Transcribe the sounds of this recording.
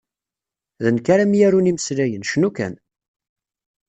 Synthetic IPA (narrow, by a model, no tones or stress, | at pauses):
ðənkaɾamjæɾuniməslæjənʃnukæ̰n